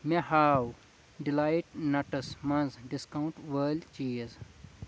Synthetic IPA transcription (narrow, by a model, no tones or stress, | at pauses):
mehaːw | ɖilaːjʈnɐʈɐsmɐnzɖiskawũɳʈʋəːlt͡ʃiːɐz